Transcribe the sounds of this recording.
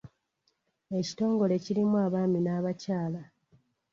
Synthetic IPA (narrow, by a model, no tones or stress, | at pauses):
e̞ci̥to̞ːŋɡo̞le̞ciɾimuaːβaːminaːβacaːla